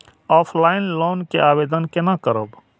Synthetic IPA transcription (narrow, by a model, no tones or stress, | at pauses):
ɔːpʰlaːɪnloːnkeʔaːbeːd̪ənkenakəɾə̰b